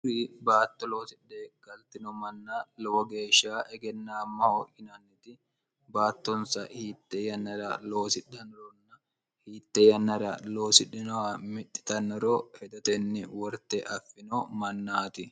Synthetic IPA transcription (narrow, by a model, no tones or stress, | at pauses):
ɾibaːt̪ːɔloːsɪᶑeːɡ̥ɐlt̪ɪnɔmɐnːalɔwɔɡe̞ːʃaːʔɛɡɛnːaːmːɐhoʔɪnɐnːɪt̪ɪ | baːt̪ːɔnsɐhiːt̪ːɛjɐnɐɾɐlo̞ːsɪᶑːɐnɔɾɔnːɐ | hiːt̪ːɛjɐnːɐɾɐ̰lo̞ːsɪᶑɪnɔwamɪᶑːɪ̥t̪ɐnːɔɾoːhɛd̪ɔt̪ɛnːɪwɔɾt̪ɛʔɐfːɪnomɐnːaːt̪ɪ